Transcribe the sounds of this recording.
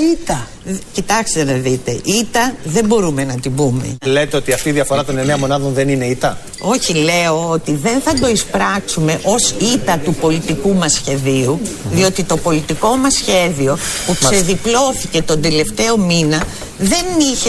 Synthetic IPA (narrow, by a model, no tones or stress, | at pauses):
it̪ɐ | cit̪ɐkst̪enɐðit̪e̞ʔit̪ɐðe̞mbo̞ɾume̞nɐt̪ibume̞̰let̪eo̞t̪iɐft̪iðiɐfo̞ɾɐt̪o̞neneɐmo̞nɐðo̞nðe̞nine̞it̪ɐ | o̞çile̞o̞ot̪iðe̞nθɐd̪o̞ispɾɐksume̞ʔo̞sit̪ɐt̪upo̞lit̪ikumɐsçe̞ðiuðio̞t̪it̪o̞po̞lit̪iko̞mɐsçe̞ðio̞pukseðiplo̞θice̞t̪o̞nd̪e̞le̞ft̪e̞o̞minɐ | ðe̞niçe